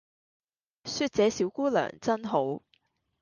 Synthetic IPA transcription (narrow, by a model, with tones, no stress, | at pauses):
syː˧t̚t͡sɛː˨˧siː˨˥wkuː˥lœ̰ː˨˩ŋt͡sɐ˥nɦo˨˥w